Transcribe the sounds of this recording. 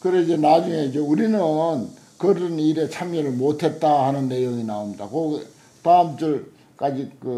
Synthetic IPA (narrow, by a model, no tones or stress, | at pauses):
kɯɾeid͡ʑe̞nad͡ʑuŋe̞id͡ʑe̞uɾinɯn | kɯɾɯniɾe̞t͡ɕʰamɲʌɾɯɭmotʰe̞t̚t͈ahanɯnːe̞joŋinaomɲida̰koɡ | tamt͡ɕ͈ɯɭ | k͈ad͡ʑikɯ